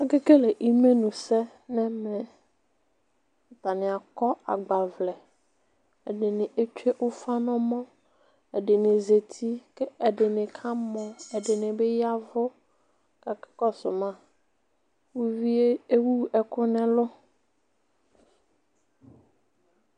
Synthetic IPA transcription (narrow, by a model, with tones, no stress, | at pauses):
a˦ɡe˦ke˦le˨ʔi˦me˦nũ˨sɛ˦ | nɛ̃˦mɛ̃˨ | t̪a˨nɪ̃˨a˨kɔ˦a̰˨ɡ͡ba˨vlɛ˨ | ɛ˨dɪ˨nɪ̃˨ʔe˦t͡ʃᶣe˦ʔʊ˦fa˦nɔ̃˦mɔ̃˦ | ɛ˨dɪ˨nɪ̃˨ze˨t̪ʰi˦ke˦ɛ˨dɪ˨nɪ̃˨kʰã˦mɔ̃˦ɛ˨dɪ˨nɪ̃˨be˦ja˦vʊ˦ | ka˨kɪ̥˦kɔ˦sʊ˨mã˦ | wu˦vi˦e˦e˦wu˦ɛ˨kʊ˦nɛ̃˦lʊ˦